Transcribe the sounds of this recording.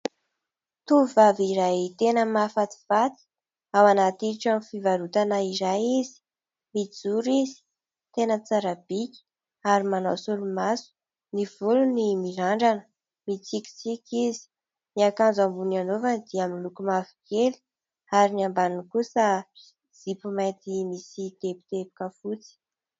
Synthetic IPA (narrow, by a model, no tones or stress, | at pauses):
t̪uvaviɾajt̪enəmafat̪i̥v̥at͡s̪i̥ | awanat̪iiʈ͡ʂamifivaɾut̪anaiɾajizi̥ | mid͡zuɾizi̥ | t̪enət͡saɾab̥ikʲi̥ | aɾimanasulumasu̥ | niv̥ulunimiɾaɳɖ͡ʐanə | mit͡sikʲi̥t͡sikʲizi̥ | miakanzambunanovand̪iaminlukumavi̥keli̥ | aɾiniambanunkusə | z̥ipumajt̪imisit̪epi̥t̪ebi̥kəfut͡si̥